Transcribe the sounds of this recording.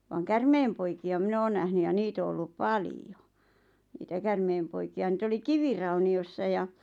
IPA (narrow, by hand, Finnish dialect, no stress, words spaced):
ʋɑːŋ kærmeːmpoikiɑ minæ̆ oːn næhny jɑ niːt o olːup pɑlijo niːtæ kærmeːmpoikiɑ niːt oli kiʋirɑuniosːɑ jɑ